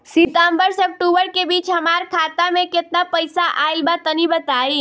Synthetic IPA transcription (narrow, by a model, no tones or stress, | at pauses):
sɪt̪aːmbəɾsək̚ʈubəɾkebiːt͡ʃɦɐmaːɾkʰaːt̪amẽkɪt̪napəjsaʔaːɪlbat̪ənibət̪aːiː